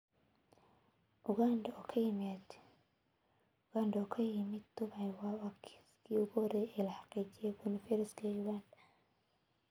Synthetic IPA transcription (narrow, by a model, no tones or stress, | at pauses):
ʔʊɣandɐɔːkʰɐjɪmɛd̪ | ʊɡandɔːkʰɐjɪmɪd̪̚ːʊβajwɑːwakʰɪ̥skʰiːʊɣʊɔɾɛjɛːlɐħɑ̥qiːt͡ʃɪjɔbʊnɪfɛɾɪskʰɐjuɣand